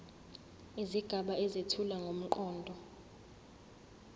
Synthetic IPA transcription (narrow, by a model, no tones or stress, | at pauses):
iziɡ̥ʱaɓaezitʰulaŋɡʱom̩ǃɔːndʱɔ